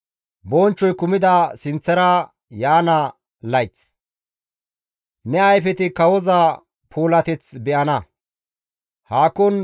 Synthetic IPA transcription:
bɔːnt͡ʃːɔjkʊmɪd̪ɐsɪnt͡sːɛɾɐ | jaːnɐ | lɐjt͡s | nɛɐjfɛt̪ɪkɐwɔzɐ | pʰuːlɐt̪ɛt͡sbɛʔɐnɐ | haːkːɔn

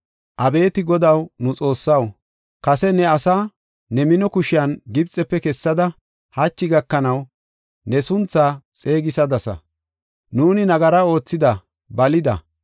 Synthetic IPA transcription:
ʔɐbe̞ːt̪ɪɡɔd̪ɐwnʊt͡sʼo̞ːsːɐw | kɐsɛnɛɐsaː | nɛmɪnɔkʊʃɪjɐnɡɪbt͡sʼːɛpːɛkɛsːɐd̪ɐ | hɐt͡ʃːɪɡɐkːɐnɐw | nɛsʊnt͡sːaːt͡sʼe̞ːɡɪsɐd̪ɐsɐ̰ | nuːnɪnɐɡɐɾɐo̞ːt͡sːɪd̪ɐ | bɐlɪd̪ɐ̰

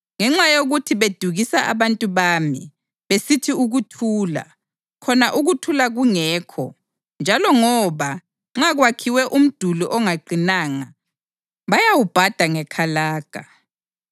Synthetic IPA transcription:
ŋɛŋ͡ǁajoɣutʰiβed̥ʱuɣisaʔa̰βantʼuβaːmi | βesitʰiuɣutʰuːla̰ | kʰɔnaʔuɣutʰulaɣuŋɛːkʰɔ̰ | nd͡ʒʱalɔŋɔβa | ŋ͡ǁaɣwakʰiwɛʔum̩d̥ʱuluʔɔŋaǃinaːŋa̰ | βajawub̥ʱad̥ʱaŋɛkʰalaːɡ̥ʱa

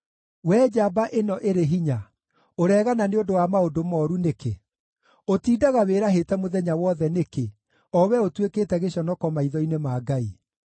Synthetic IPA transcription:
wɛd͡ʑabaʔenɔʔeɾeɦiɲa | oɾɛːɣananeodowamaodomɔːɾuneke | otiːdaɣaweɾaɦetɛmoðɛɲawɔðɛneke | ɔwɛotweketɛɣeɕɔnɔkɔmaiðɔinemaːɡai

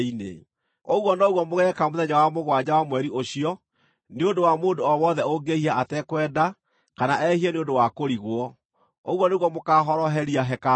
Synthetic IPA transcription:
inḛ | oɣwɔnɔɣwɔmoɣɛkamoðɛɲawamoɣwad͡ʑawamwɛɾiʔoɕiɔ | neondowamoːdoɔwɔðɛoɡehiaatɛkwɛːda | kanaʔɛhiɛneondowakoɾiɣwɔ | oɣwɔneɣwɔmokaːɦɔɾɔɦɛɾiaɦɛka

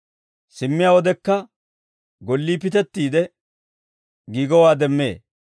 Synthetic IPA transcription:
sɪmːɪjaːwɔd̪ɛkːɐ | ɡɔlːiːpɪt̪ɛt̪ːiːd̪ɛ | ɡiːɡɔwaːd̪ɛmːḛː

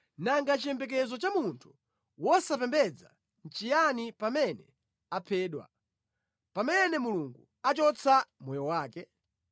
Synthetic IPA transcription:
naŋɡat͡ʃijɛmbɛk̬ɛzɔt͡ʃamuntʰu̥ | wɔsapɛmbɛd͡za̰ | n̩t͡ʃijanipamɛnɛ | apʰɛːɗwa̰ | pamɛnɛmuluŋɡu | at͡ʃɔt͡sʰamɔjɔwaːkɛ

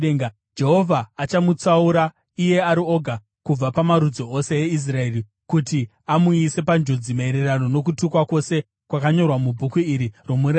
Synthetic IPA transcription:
eŋɡa | d͡ʒe̞ɦo̞vʱaːt͡ʃamut͡sauɾa | ije̞aɾioɡʱa | kub͡vapamaɾud͡zoʔose̞jeis̬rae̞ri | kuti | amuise̞pand͡ʒo̞d͡zimaeɾerano̞no̞k̬utukwakwo̞se̞ | kwakaɲo̞rwamubʱukuiɾiro̞muɾa

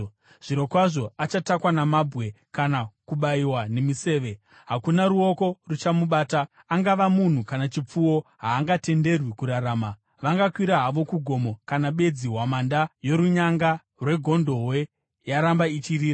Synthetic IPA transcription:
ʐ̥iɾo̞kwaʐo̞at͡ʃatakwanamabʱwe̞ | kanakuɓaiwane̞mise̞ːʋe̞ | ɦakunaɾuo̞ko̞rut͡ʃamuɓaːtaː | ŋɡaʋamun̤ukanat͡ʃip͡fuwo̞ɦaːŋɡate̞nde̞rwikuɾaɾaːma | ʋaŋɡakwiɾaɦaʋo̞kuɡʱo̞mo̞kanaɓe̞d͡ziwamandajo̞ɾuɲaŋɡa | rwe̞ɡʱo̞ndo̞we̞ | jaɾambait͡ʃiriːa

